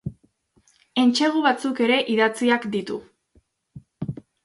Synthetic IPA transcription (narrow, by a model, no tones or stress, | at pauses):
e̞nt͡ʃe̞ɣ̞uβat͡suke̞ɾe̞ʔiðat͡siakd̪it̪u